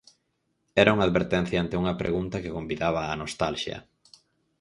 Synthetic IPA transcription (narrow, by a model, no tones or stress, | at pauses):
ɛɾɐuŋaðβeɾt̪ɛn̟θjɐant̪ɪuŋɐpɾʔḛɣunt̪ɐkɪkombiðaβ̞ɐːnost̪alʃjɐ̰